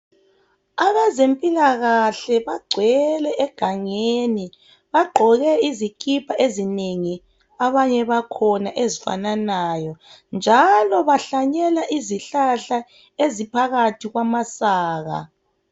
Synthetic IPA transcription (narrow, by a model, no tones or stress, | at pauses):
aβazempʼilaɣaɬɛβaɡ͡ǀʱwɛlɛʔɛɡ̥ʱaŋeni | βaɡ͡ǃʱɔɣɛizikʰʼipʰaʔezineŋi | aβaɲɛβakʰɔnaʔezifa̰nanajɔ | nd͡ʒʱalɔβaɬaɲɛlaʔiziɬaɬa | ezipʰaɣatʰiɣwamasaːɣa̰